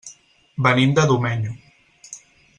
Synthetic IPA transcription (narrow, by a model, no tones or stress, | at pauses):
bənimd̪əðumɛɲu